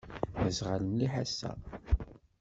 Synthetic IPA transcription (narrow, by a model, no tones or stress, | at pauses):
əzʁalənliħasːæ̰